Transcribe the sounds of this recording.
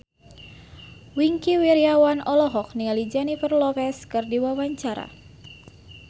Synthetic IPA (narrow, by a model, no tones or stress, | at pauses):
wiŋkiwiɾiawanɔlɔɦɔk̚niŋalid͡ʒanipərlɔfɛskɨrdiwawaɲt͡ʃaɾa̰